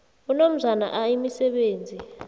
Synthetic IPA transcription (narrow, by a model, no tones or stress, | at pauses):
unom̩zʱana̰ʔajimisɛɓeːnd͡zʱi